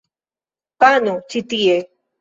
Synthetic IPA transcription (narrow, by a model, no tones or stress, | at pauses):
panut͡ʃit̪ije